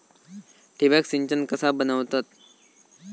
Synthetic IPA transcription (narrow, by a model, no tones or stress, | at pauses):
ʈibaksiɲt͡ɕənkəsabənəʋt̪at̪̚